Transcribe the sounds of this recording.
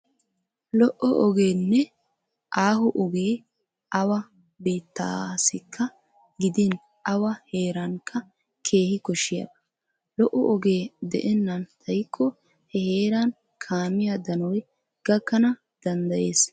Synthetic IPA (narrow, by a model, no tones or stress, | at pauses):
lɔʔɔʔɔɡe̞ːnːɛ | ʔaːɦʊʔɔɡe̞ː | ʔɐwɐ | be̞ːt̪ːa̰sɪkʰːɐ | ɡɪd̪ɪn | ɐwɐhe̞ːɾɐŋkʰːɐ | kʰe̞ːhɪkɔʃɪjɐ̰d̪ɐ̥ | lɔʔɔʔɔɡe̞ːd̪ɛ̰ʔɛnːɐnt̪ʰɐjkʰʼːɔ | hɛhe̞ːɾɐn | kʰaːmɪjad̪ɐnɔj | ɡ̥ɐkːɐnɐ | d̪̥ɐnd̪ɐjeːs